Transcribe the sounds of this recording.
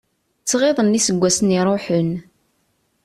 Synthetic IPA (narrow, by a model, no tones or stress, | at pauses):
t͡sːʁeðˤənːisəɡʷːæsniɾˤoħən